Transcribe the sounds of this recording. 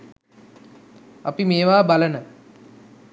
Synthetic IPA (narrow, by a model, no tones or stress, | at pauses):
apimeːʋaːbalənə